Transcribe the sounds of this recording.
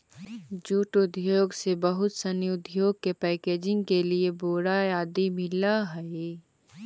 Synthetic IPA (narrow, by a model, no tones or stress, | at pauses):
d͡ʒuːʈʊd̪ʱjoːɡsebɐɦʊt̪səniʊd̪ʱjoːɡ̚kepɛːkeːd͡ʒɪ̃ŋɡkelieboːɽajaːd̪imɪlaɦɛe